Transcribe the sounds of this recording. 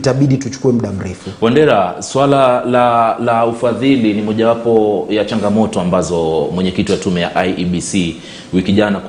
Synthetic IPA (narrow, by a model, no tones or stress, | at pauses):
taɓiɗitut͡ʃu̥kuɛm̩ɗam̩ɾɛfuwandɛɾaswalalalaufaðilinimɔʄawapɔjat͡ʃaŋɡamɔtɔambazɔmwɛɲɛkitijatumɛja̰ʔajiɓisi | wikiʄanak